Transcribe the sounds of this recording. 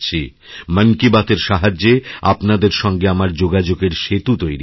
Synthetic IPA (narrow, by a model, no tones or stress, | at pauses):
t͡ɕʰi | mənkibat̪eɾʃaɦad͡ʑːea̰pnad̪eɾʃɔŋɡeamaɾd͡ʑoɡad͡ʑoɡeɾʃet̪ut̪ojɾi